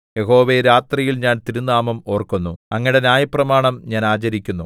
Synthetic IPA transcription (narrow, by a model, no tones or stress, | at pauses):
je̞ɦo̞ːʋeɾaːt̪rijilɲaːnt̪iɾunːaːmɐmo̞ːrkːunːuɐŋːiɽenjaːjɐpːrɐmaːɳɐmɲaːnaːt͡ɕɐɾikʲːunːu